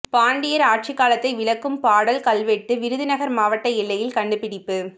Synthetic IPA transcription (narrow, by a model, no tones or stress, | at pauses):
paːɳɖɪjɐɾaːʈ̚t͡ʃɪkːaːlɐt̪ːɐɪʋɪɭɐkːɯmpaːɽɐlkɐlʋeʈːɯʋɪɾɯðɪnɐɣɐɾmaːʋɐʈːɐɛɭːɐjɪlkɐɳɖɯpɪɽɪpːɯ